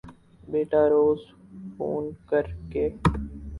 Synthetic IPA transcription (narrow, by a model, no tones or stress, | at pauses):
beːʈaːɾoːz | fʰo̰ːnkəɾkeː